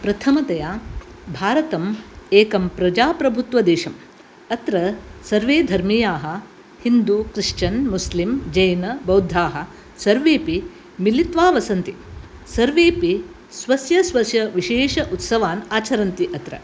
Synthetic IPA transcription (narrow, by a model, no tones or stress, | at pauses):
pɾɐt̪ʰɐmɐt̪ɐjaːbʱaːɾɐt̪ɐmeːkɐmpɾɐd͡ʒaːpɾɐbʱut̪ʋɐd̪eːʃɐm | ɐt̪ɾɐsɐɾʋeːd̪ʱɐɾmijaːɦɐ̆ | hind̪ukɾiʂt͡ʃɐnmuslimd͡ʒɐjnɐbɐwd̪ʱːaːɦɐ | sɐɾʋeːpi | milit̪ʋaːʋɐsɐnt̪i | sɐɾʋeːpi | sʋɐsjɐsʋɐsjɐʋiʃeːʂɐʔut̪sɐʋaːnaːt͡ʃɐɾɐnt̪iʔɐt̪ɾɐ̰